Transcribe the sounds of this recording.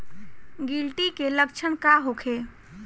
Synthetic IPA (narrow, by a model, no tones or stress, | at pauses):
ɡilʈikeləkt͡ʃʰənkaɦokʰe